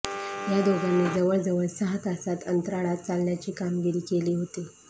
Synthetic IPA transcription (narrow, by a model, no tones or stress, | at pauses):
jad̪oɡanːeːd͡zəʋəɭd͡zəʋəɭsəɦət̪asat̪ənt̪ɾaɽat̪̚t͡salnjat͡ɕiːkamɡiɾiːkeliːɦot̪i